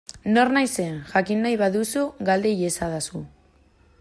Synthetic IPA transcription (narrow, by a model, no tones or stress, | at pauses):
no̞rnajse̞xakinːajβaðusuɡald̪e̞je̞saðasu